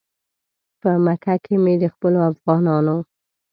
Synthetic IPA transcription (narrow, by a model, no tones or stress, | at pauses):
pəmakʰakʰemed̪əxpəloafɣɑnɑno